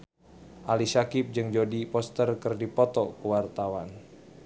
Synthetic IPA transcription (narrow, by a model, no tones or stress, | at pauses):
ʔalisakɪp̚d͡ʒɨŋd͡ʒodipɔst̪ərkɨrdipɔt̪ɔkəwart̪awan